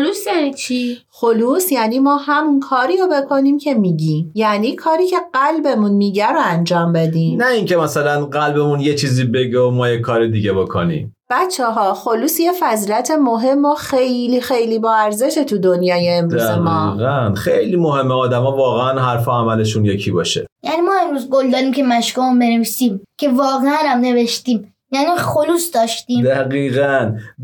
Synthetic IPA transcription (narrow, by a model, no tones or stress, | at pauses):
lusjænit͡ʃʰixo̞luːsjæːniːmɒːhæmnkʰɒːɾiːɾobe̞kʰo̞niːmcʰe̞miːɟimjæniːkʰɒːɾiːcʰe̞ɢælbe̞munmiːɟæɾoænd͡ʒɒːmbe̞d̪iːmnæiŋcemæsælænɢælbe̞munjet͡ʃʰiːziːbe̞ɡeomɒːjekʰːɒːɾid̪iɡebo̞kʰonḭːm | b̥æt͡ʃʰːeɦɒːxo̞luːsjefæziːlæt̪ʰe̞mo̞ɦe̞mːoxejliːxe̞jliːbɒːæɾze̞ʃet̪ʰud̪onjɒːjeːmɾduzæmɒːɣænxejlimoɦe̞mːeɒːd̪æmɒːvɒːɣeænɦæɾfoæmæle̞ʃunje̞cʰibɒːʃejæniːmɒːemɾuːzɡold̪ɒːdɾiːmcʰemæʃkumunbeneviːsimcʰe̞vɒːɣeænæmne̞veʃt̪iːm | jæniχoluːsd̪ɒːʃt̪iːmd̪æɣiːɣæn